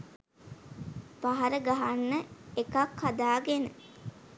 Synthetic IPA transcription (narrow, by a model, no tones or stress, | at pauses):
paɦaɾəɡaɦanːəekakhad̪aːɡenə̰